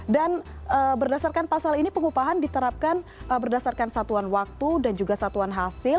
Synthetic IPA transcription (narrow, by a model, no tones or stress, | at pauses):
danʔəbərdasarkanpasalinipəŋupaɦandit̪əɾap̚kanəbərdasarkansat̪uanwak̚t̪udand͡ʒuɡasat̪uanɦasɪl